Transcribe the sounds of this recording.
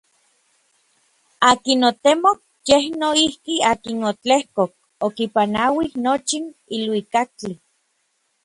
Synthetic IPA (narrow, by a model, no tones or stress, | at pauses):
aːkinot̪emok | jehnoihkiaːkinot͡ɬehkok̚ | okipanawihnot͡ʃinilwikak̚t͡ɬi